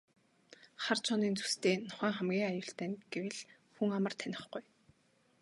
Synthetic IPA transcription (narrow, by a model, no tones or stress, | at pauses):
χart͡ɕʰɔniːnt͡su̥st̪eːnʊ̥χæːŋχæmɡʲiːŋajʊːɬt̪æːnɡ̥ewɘ̆ɮ | xuŋamə̆r̥t̪ʰænʲɪ̆χɡuj